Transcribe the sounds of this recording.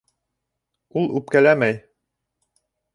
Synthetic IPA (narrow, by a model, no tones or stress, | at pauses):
ulˠʉp̚kælæmæj